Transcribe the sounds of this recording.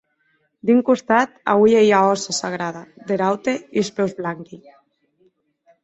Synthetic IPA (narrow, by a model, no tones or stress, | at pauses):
d̪iŋkust̪at̪a̰βjejaɔsasaɣ̞ɾað̞ad̪eɾawt̪eiespɛwzβlaŋki